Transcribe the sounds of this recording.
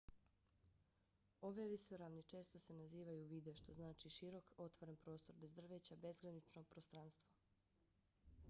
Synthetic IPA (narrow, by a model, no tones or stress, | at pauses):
o̞ʋeʋisoɾaʋnit͡ʃe̞ːst̪o̞se̞naziːʋajuʋiːd̪eʃt̪o̞znaːt͡ʃiʃiɾo̞ko̞t̪ʋoɾenpɾo̞ːst̪o̞ɾbezd̪r̩ʋet͡ɕabe̞zɡɾanit͡ʃnoɡ̚pɾost̪ɾanst̪ʋo